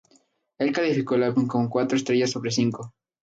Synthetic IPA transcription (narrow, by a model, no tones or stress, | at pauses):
e̞lkalifiko̞elauŋkomokwat̪ɾoest̪ɾeʝasːo̞βɾes̬iŋko